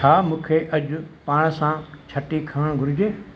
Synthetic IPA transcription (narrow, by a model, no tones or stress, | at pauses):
t͡ʃʰaːmũːkʰeʔɐʄʊpaːɽ̃sãt͡ɕʰɐʈikʰɐʋəɽ̃ɡʱʊɾɪd͡ʑẽː